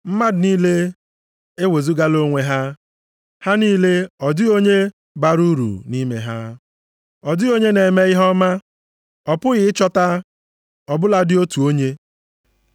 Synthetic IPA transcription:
m̩˦ma˦dɪ˨niː˦le˦ | e˦we˨zu˦ɡa˦lo˦ŋʷe˦ɦa˦ | ha˦niː˦le˦ɔ˨dɪ˦o˦ɲe˦ | ba˨ɾu˦ɾṵ˨ni˦mḛ˨ɦa˦ | ɔ˨dɪ˦o˦ɲe˦ne˨me˦ɣɪ˦ɦɔ˦ma˦ | ɔ˨pʊ˦ɣɪ˨˦ɪ˦t͡ʃɔ˦ta˦ | ɔ˨bʊ˦la˨dɪ˦o˦tu˨o˦ɲe˦

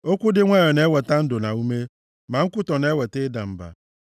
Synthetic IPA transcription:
o˦kʷu˦dɪ˦ŋʷa˦jɔ˨ne˨˦wɛ˨ta˦n̩˦do˨na˨u˦me˦ | mã˨ŋ̩˦kʷʊ˦tɔ˨ne˨˦wɛ˨te˦da˨m̩˨ba̰˨

